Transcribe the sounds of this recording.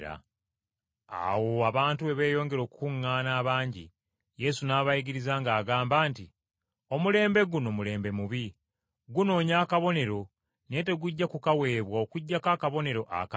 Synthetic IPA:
ɾa̰ | a̰wo̞aβaːntuβe̞βe̞ːjo̞ːŋɡe̞ɾo̞ːkukuŋːaːnaːβaːɲɟḭ | je̞sunaːβajiɡiɾizaŋɡaːɡaːmbaːnti | o̞mule̞ːmbe̞ɡunomule̞ːmbe̞muβi | ɡuno̞ːɲaːkaβo̞ne̞ɾo̞ | ne̞te̞ɡuɟːakukawe̞ːβwao̞kuɟːakaːkaβo̞ne̞ɾo̞ʔa̰ka

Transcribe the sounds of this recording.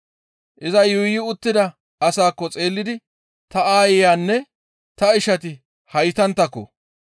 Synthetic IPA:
ʔɪzɐjʊjɪʊt̪ːɪd̪ɐ | ɐsaːkːɔt͡sʼe̞ːlːɪd̪ɪ | t̪ɐaːjɪjaːnːɛ | t̪ɐɪʃɐt̪ɪ | hɐjt̪ɐnt̪ːɐkːɔ̰

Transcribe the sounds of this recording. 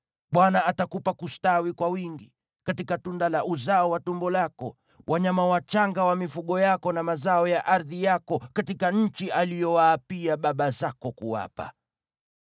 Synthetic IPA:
ɓwanaatakupakustawikwawiŋɡi | katikatundalaʔuzaɔwatumbɔlakɔ | wʔaɲamawat͡ʃaŋɡawamifuɠɔjakɔnamazaɔjaʔaɾðijakɔkatikaɲ̩t͡ʃiʔalijɔwaːpiaɓaɓazakɔkuwa̰pa̰

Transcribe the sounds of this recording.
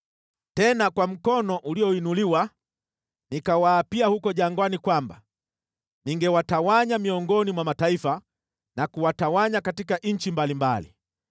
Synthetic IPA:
tɛnakwam̩kɔnɔʔuliɔinuliwa | nikawaːpiahukɔʄaŋɡwanikwamba̰ | niŋɡɛwatawaɲamiɔŋɡɔnimwamataifa | nakuwatawaɲakatikaʔɲ̩t͡ʃimbalimbalḭ

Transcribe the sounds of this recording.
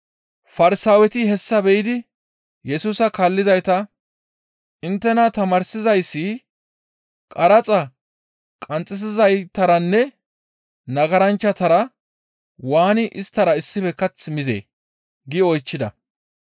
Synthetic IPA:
fɐɾɪsaːwɛt̪ɪɦɛsːɐbɛjɪd̪ɪ | jɛsuːsɐkaːlːɪzɐjt̪ɐ | ɪnt̪ːɛnɐt̪ɐmɐɾsɪzɐjsːi | kʼɐɾɐt͡sʼɐ | kʼɐnt͡sʼːɪs̬ɪzɐjt̪ɐɾɐnːɛ | nɐɡɐɾɐnt͡ʃːɐt̪ɐɾɐ | waːnɪʔɪst̪ːɐɾɐɪsːɪfɛkɐt͡smɪzḛː | ɡɪɔjt͡ʃːɪd̪ɐ̰

